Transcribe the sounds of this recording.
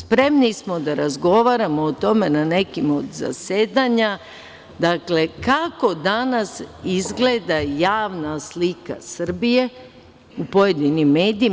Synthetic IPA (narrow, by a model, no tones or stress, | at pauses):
spɾe̞mnismo̞d̪aɾazɡo̞ʋaɾamo̞ːt̪o̞me̞nane̞kimo̞d̪za̰se̞ːd̪aɲa | d̪akle̞kako̞d̪anasizɡle̞d̪ajaːʋnaslika̰sr̩bije̞ | upo̞je̞d̪inimːe̞ːd̪iː